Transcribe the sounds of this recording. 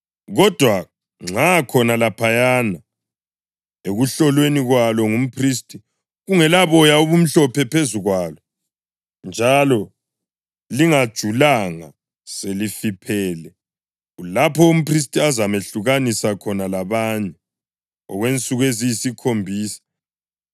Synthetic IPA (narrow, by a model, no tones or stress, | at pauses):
ɣɔd̥ʱwa | ŋ͡ǁakʰɔnalapʰajana | eɣuɬɔlweniɣwalɔŋum̩pʰristʼʰi | ɣuŋɛlaβɔjauβum̩ɬɔpʰɛpʰezuɣwalɔ | nd͡ʒʱalɔ | liŋad̥ʒ̥ʱulaŋa | selifipʰɛːlɛ | ulapʰɔum̩pris̬tʼiazameɬuɣanisakʰɔnalaβaɲɛ | ɔ̰ɣwent͡sʼuɣwezijisikʰombʱiːsḁ